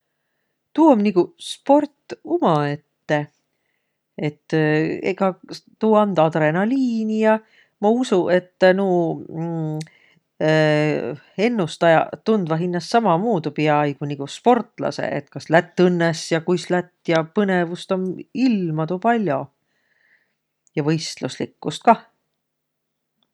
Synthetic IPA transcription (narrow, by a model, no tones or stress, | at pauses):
t̪uːomniɡuspo̞rt̪ˑːumɑe̞t̪ːe̞ | et̪ːḛɡɑt̪uːɑnd̪̥ɑd̪ɾe̞nɑliːnijɑ | mɑusuʔe̞t̪ːnuː | e̞nːust̪ɑjɑ̰t̪und̪̥vɑɦinːɑsːɑmɑmuːd̪upiɑɑjɡ̥uniɡ̥uspo̞rt̪ˑlɑ̰sḛʔḛt̪kɑslæt̪ˑːɤnːesjɑkujslæt̪ːjɑpɤnevust̪o̞nilmɑt̪uːpɑlʲjo̞ | jɑvɤjst̪luslḭkːust̪̚kɑ